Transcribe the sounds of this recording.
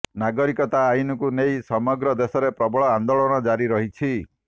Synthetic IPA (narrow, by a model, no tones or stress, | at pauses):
naɡɔɾikɔt̪aːjunɔkunejsɔmɔɡɾɔd̪esɔɾepɾɔbɔɭɔand̪oɭɔɽ̃ɔd͡ʒaɾiɾɔɦit͡ʃʰi